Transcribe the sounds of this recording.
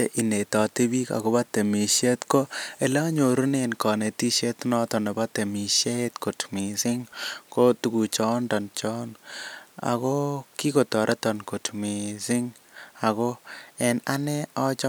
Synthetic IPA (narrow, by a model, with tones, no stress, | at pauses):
e˦ʔi˨ne˨t̪ɔ˨t̪i˦bi˦ka̰˨ɡo˦ba˦t̪e˨mi˨ʃe˦t̪ko˦e˨la˦ɲo˨ɾu˦ne˦nkɔ˨ne˨t̪i˦ʃe˦t̪nɔ˦t̪ɔ˨ne˨ba˦t̪e˨mi˨ʃe˦t̪ko˨tmi˨sɪ˦ŋko˦t̪u˨ɡu˨t͡ʃɔ˦ndɔ˨nt͡ʃɔ˦n | a̰˨ko˦ki˦ko˨t̪ɔ˨ɾʔɛ˦t̪ɔ˨nko˨tmi˨sɪ˦ŋ | a˨ɡo˦ɛ˨na˦nɛ˦ɔ˦t͡ʃɔ˦